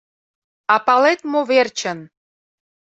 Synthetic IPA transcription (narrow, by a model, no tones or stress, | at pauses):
ɑpɑlet̪moβert͡ɕə̆n